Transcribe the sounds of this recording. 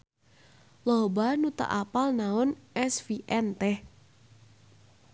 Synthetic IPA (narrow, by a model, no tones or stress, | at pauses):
loɦbanut̪a̰ʔapalnaʊnɛsfiʔɛnt̪ɛh